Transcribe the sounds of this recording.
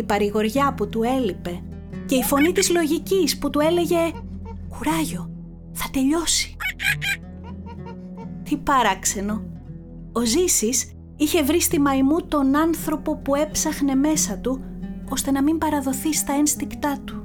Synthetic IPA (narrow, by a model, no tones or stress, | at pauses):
ipɐɾiɣo̞ɾʝɐput̪ue̞lipe̞ | ce̞ifo̞nit̪izlo̞ʝicisput̪ue̞le̞ʝe̞ | kuɾɐʝo̞ | θɐt̪e̞ʎo̞si̥ | t̪ipɐɾɐkse̞no̞ | ozisis | içe̞vɾist̪imɐimut̪o̞nɐnθɾo̞po̞pue̞psɐxne̞me̞sɐt̪uo̞st̪e̞nɐmimbɐɾɐðo̞θist̪ɐenst̪ikt̪ɐt̪u̥